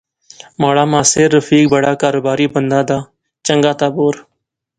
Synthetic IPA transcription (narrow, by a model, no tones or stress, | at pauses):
maːɽaːmãːseːɾːəfiːk̚bəɽaːkaːɾoːbaːɾiːbənd̪aːd̪aː | t͡ʃəŋɡaːt̪aːboːɾ